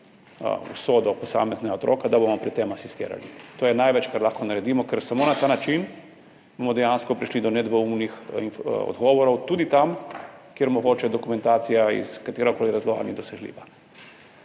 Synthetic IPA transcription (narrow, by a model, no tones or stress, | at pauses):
ṵsoːd̪ɔpɔsa̰ːmɛznɛɡaot̪ɾʔo̰ːkad̪abomɔpɾit̪ːemasist̪ḛːɾa̰lit̪oːjɛnajʋɛt͡ʃkaɾlaxkɔnaɾɛd̪iːmɔkɛɾsamoːnat̪aːnat͡ʃin | bomɔd̪ɛjanskɔpɾiʃlid̪ɔnɛd̪ʋɔumnixinɔ̰d̪ɡɔːʋɔɾɔwt̪uːd̪it̪amkjeɾmɔɡoːt͡ʃɛd̪ɔkumɛ̃nt̪aːt̪sijaḭskat̪eːɾakoːliɾazlɔɣa̰lnid̪ɔsɛɡlḭːʋa